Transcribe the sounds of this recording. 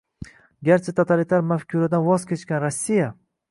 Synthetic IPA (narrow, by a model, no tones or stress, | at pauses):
ɡʲaɾt͡ʃʰat̪ʰot̪ʰalit̪ʰaɾmafkʲʰuɾad̪anvɒzkʲe̞t͡ʃkʲanɾasʲːija